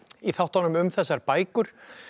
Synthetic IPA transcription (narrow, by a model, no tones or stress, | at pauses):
iθawht̪ɔnʏmʏmθɛsːaɾpaːjkʏɾ̥